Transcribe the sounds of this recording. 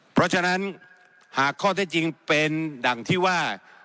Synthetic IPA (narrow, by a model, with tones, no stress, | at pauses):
pʰɾɔ˦˥t͡ɕʰa˧na˦˥n | haː˨˩kʰːɔː˥˩t̪ʰɛ˥˩t͡ɕi˧ŋpe˧nda˨˩ŋt̪ʰiː˥˩waː˥˩